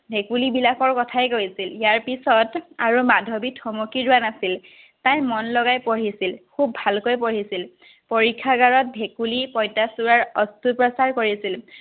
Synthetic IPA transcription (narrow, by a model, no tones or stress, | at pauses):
bʱekulibilakɔɹkɔtʰajkoisiljaɹpisɔtaɹumadʱobitʰɔmokiɹʊanasil | tajmɔnlɔɡajpoɹisilkʰubʱalkojpoɹisil | poɹikʰːaɡaɹɔt̚bʱekulipɔjtasuɹaɹɔstupɹɔsaɹkoɹisil